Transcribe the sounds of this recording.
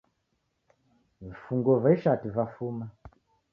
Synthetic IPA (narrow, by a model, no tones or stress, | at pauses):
vifuŋɡɔvaiʃativafuːma